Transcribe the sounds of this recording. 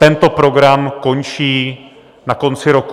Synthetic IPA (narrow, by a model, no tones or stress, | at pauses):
t̪ɛnt̪o̞pɾo̞ɡɾamko̞nt͡ʃiː | nako̞nt͡sɪɾo̞ku̥